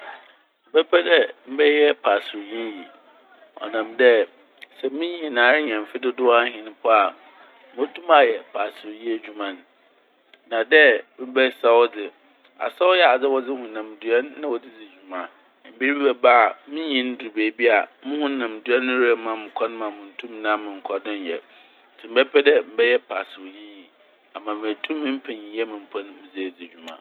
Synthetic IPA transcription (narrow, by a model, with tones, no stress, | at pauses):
m̩˨bɛ˦pʰɛ˦dɛ˦m̩˦bɛ˦jɛ˦pʰa˨sɾʊ˨jĩ˦ji˨ | ɔ̰˨nã˨mdɛ˦ | sɛ˨mĩ˦ɲĩ˨nã˨ɾɪ˦ɲ˨ɛ̃˨m˨fɪ˦dɪ˦dʊ˦a˦ɦɪ̃˨ñ˦pʰʊ˦a˨˦ | mʊ˦tʰũ˦ma˨jɛ˨pʰa˨sɾʊ˨ji˦e˨d͡ʑᶣu˨mã˨n | nã˨dɛ˦mɪ̃˦bɛ˦sa˦wɔ˦d͡zɪ˨ | a̰˨sa˦wʊ˦jɛ˦a˨d͡zɛ˦wɔ˦d͡zɪ˦hʊ̃˨nã˨m˨du˨ɛ˦nːã˦wɔ˨dɪ˦d͡zɪ˨d͡ʑᶣu˨mã˨ | m̩˨bi˦bi˦bɛ˨baː˦˨mɪ̃˦ɲĩ˦n˦dʊ˨ɾbeː˨˦bi˦a˨˦mʊ̃˦hʊ̃˦nã˨m˨du˨˦ɛ˦nʊ̃˦ɾɛ˨˦mã˨mɪ̃˨kʷʰa˦nʊ̃˦mã˨mʊ̃˨n̩˦tʰũ˦m̃˨nã˦mɪ̃˨ŋ̩˨kʰɔ˨dɪ̃˦n˨jɛ˨ | tʰɪ˨m̩˦bɛ˦pʰɛ˦dɛ˦m̩˦bɛ˦jɛ˦pʰa˨sɪ˨ɾʊ˨ji˦ji˨ | a˨mã˨mɪ̃˨æ˨tʰũ˦mːɪ̃˦m̩˦pʰɛ˨ɲĩ˨˦ɛ˦mɪ̃˨m̩˨pʰa˦nʊ̃˦mɪ̃˦d͡zɪ˦˨d͡zɪ˨d͡ʑᶣu˨mã̰˨